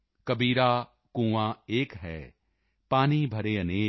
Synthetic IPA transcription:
kɐbiːɾaː | kũːʋãːeːkɦɛ̰ː | paːnibʱɐɾeːɐneː

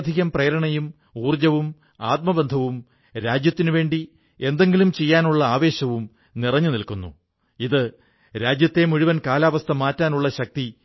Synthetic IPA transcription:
d̪ʱiɣɐmprɐjɐɾɐɳɐjum | uːrd͡ʑɐʋum | aːt̪̚mɐbend̪ʱɐʋum | ɾaːd͡ʑjɐt̪ːinuʋe̞ːɳɖi | e̞nd̪e̞ŋɡilumt͡ɕe̞jːaːnuɭːɐaːʋe̞ːɕɐʋum | nirɐɲːɨnilkunːṵ | iðɨ | ɾaːd͡ʑjɐt̪ːe̞muɻuʋɐnkaːlaːʋɐst̪ʰɐmaːtːaːnuɭːɐɕɐk̚t̪i

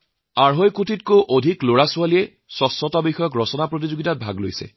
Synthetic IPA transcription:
aɹɦojkutʰitkowʔodʱikloɹasʊalijɛ | sɔsɔtɔbixɔjɔk̬ɹɔsɔnapɹot̬izoɡitat̚bʱa̰ɡlo̰jsɛ̰

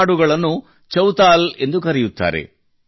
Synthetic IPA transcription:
ɽuɡɐɭɐnːu | t͡ʃɐwt̪aːle̞nd̪ukɐɾɛjut̪ːa̰ːɾe̞̰

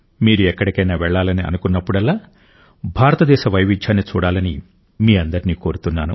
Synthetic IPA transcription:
miːɾuɛkːɐɽikɐjnaːʋɛɭːaːlɐniɐ̰nukunːɐpːuɽɛlːaː | bʱaːɾɐt̪ɐd̪ɛːʃɐʋɐjʋiɲt͡ʃːaːnːit͡ʃuːɽaːlɐni | miːɐnd̪ɐɾiniːko̞ːɾut̪unːaːnṵ

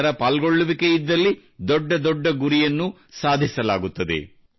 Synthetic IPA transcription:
ɐɾɐpaːlɡoɭːuʋikeid̪ːɐlːi | d̪ɔɖːɐd̪ɔɖːɐɡuɾijɐnːu | saːd̪ʱisɐlaːɡut̪ːɐd̪e̞̰

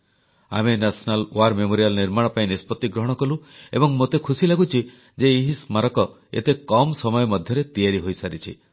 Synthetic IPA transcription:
a̰menasɔnalw̰aɾmemoɾijalniɾmaɽ̃ɔpaĩnispɔt̪ːiɡɾɔɦɔɽ̃ɔkɔluḛbɔŋmot̪ekʰusilaɡut͡ʃʰi | d͡ʒeːɦismaɾɔkɔ | ḛt̪ekɔmsɔmɔjɔmɔd̪ʱjɔɾet̪ijaɾiɦojsaɾit͡ʃʰḭ

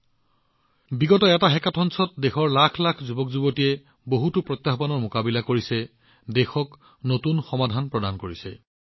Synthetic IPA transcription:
biɡɔtɔɛtaɦɛkatʰɔnsɔt̚dexɔɹlakʰlakʰzubɔkzubotijɛ | boɦutʊpɹɔt̪jaɦbanɔɹmokabilakoɹisɛ | dɛxɔk | notunxɔmadʱanpɹɔdankoɹisɛ

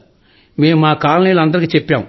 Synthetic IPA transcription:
me̞ːmmaːkaːlɐniːluɐnd̪ɐɾikiːt͡ʃɛpːaːm

